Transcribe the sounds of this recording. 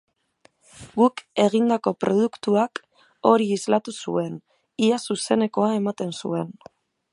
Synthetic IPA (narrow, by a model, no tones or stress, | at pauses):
ɡuke̞ɣ̞ind̪ako̞pɾo̞ð̞ukt̪uak | o̞ɾiːzlat̪usṵe̞n | iasuse̞ne̞ko̞ae̞mat̪e̞nsue̞n